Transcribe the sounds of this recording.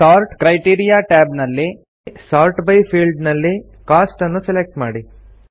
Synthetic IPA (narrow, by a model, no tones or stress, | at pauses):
ʃaːɾʈkɾɐjʈiːɾijaːʈɛːbnɐlːi | saːɾʈbɐjpʰiːlɖnɐlːi | kaːsʈɐnːuselek̚ʈmaːɽi